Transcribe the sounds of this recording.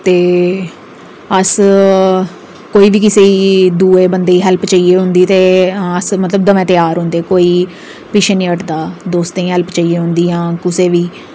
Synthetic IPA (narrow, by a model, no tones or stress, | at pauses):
t̪eː | əs | koːiːʋiːkɪseːiːd̪uːeːbənd̪eːiːɦɛlpt͡ʃaːieːɦʊ̃nd̪iːt̪eːəsmət̪ləb̚d̪əʋɛ̃ːt̪ɪjaːɾɦʊ̃nd̪eːkoːiː | pɪʃʰeːnĩːəʈd̪aːd̪oːst̪ːĩːɦɛlpt͡ʃaːiːeːɦʊ̃nd̪iːjãːkʊseːʋiː